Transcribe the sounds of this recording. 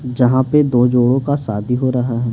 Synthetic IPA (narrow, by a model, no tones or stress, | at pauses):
d͡ʒɐɦãped̪oːd͡ʒoːɽõkasaːd̪ʱiɦoɾɐɦaɦɛː